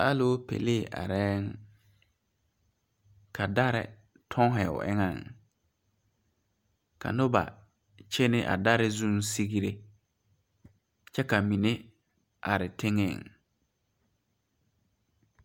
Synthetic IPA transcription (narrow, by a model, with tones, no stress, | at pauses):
a˦lo˦pḛ˨le˦˨ʔa̰˨ɾɛ˦ŋ | kʰa˨da˦ɾɪ̰˨ | tʰɔ˦ŋ˦ɦɛ˨ʊ̰˨ʔɪ̰˦ŋa˦˨ŋ | ka̰˨nʊ˦ba̰˨ | t͡ʃe˦nɪ˦ʔa̰˨da˦ɾɪ˦zũ˦nsi˦ɣi˦ɾe˦ | t͡ʃɛ˦ka˨mi˨ne˦ | ʔa˨ɾɪ˨tʰɪ˦ŋɪ̰˦˨ŋ